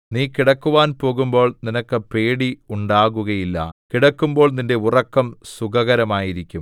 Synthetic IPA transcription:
niːkiɽɐkːuʋaːnpo̞ːɣumbo̞ːɭninɐkːɨpe̞ːɽiuɳɖaːɣuɣɐjilːɐ̰kiɽɐkːumbo̞ːɭninde̞urɐkːɐmsuɣɐɣɐɾɐmaːjiɾikʲːum

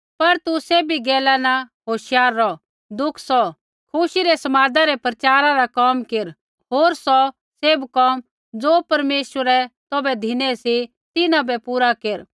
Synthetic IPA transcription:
pɐɾt̪useːbiɡɛːlanaɦoːʃjaːɾːɔ | d̪ʊkʰsɔ | kʰʊʃiɾɛsɐmaːd̪aɾɛpɾɐt͡ʃaːɾãɾakɔːmkeɾ | ɦoːɾsɔ | seːbkɔːm | d͡zoːpɐɾmeːswəɾɛt̪ɔbɛd̪ʱinɛsi | t̪ɪnãbɛpuːɾakeːɾ

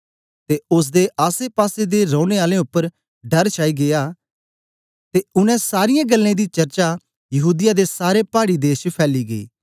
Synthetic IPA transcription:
t̪eʊs̬d̪eʔaːsepaːsed̪eɾõːñeaːlẽʊpːəɾ | ɖɐɾt͡ʃʰaːiɡejaː | t̪eʊnɛ̃saːɾɪjãɡɐlːẽd̪it͡ʃɐɾt͡ʃa | jɐɦuːd̪ɪjad̪esaːɾepaːɽid̪eːʃpʰɛːliɡɐḭː

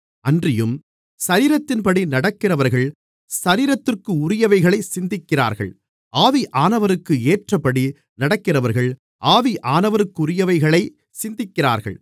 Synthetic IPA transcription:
ɐndrɪjɯm | sɐɾiːɾɐt̪ːɪnpɐɽinɐɽɐkːɪrɐʋɐɾɣɐɭ | sɐɾiːɾɐt̪ːɪrkɯʊɾɪjɐʋɐɪɣɐɭɐɪsɪnd̪ɪkːɪra̰ːɾɣɐ̰ɭ | aːʋiʔaːnɐʋɐɾɯkːɯeːʈrɐpːɐɽi | nɐɽɐkːɪrɐʋɐɾɣɐɭ | ʔaːʋiʔaːnɐʋɐɾɯkːɯʊɾɪjɐʋɐɪɣɐɭɐɪ | sɪnd̪ɪkːɪra̰ːɾɣɐ̰ɭ

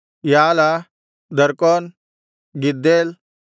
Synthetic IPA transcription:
jaːla | d̪əɾkɔn | ɡid̪ːel

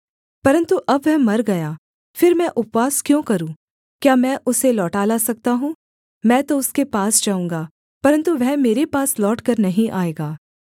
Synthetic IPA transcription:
pɐɾə̃nt̪uʔɐbʋɛɦmɐɾɡɐjaː | fɪɾmɛ̃ʔʊpʋaːskjõkɐɾũː | kjaːmɛ̃ʔʊselɔːʈaːlasɐk̚t̪aɦũː | mɛ̃ːt̪oʊskepaːsd͡ʒaːũːŋɡaː | pɐɾə̃nt̪uʋɛɦmeːɾepaːslɔːʈkɐɾnɐɦĩʔaːeːɡaː

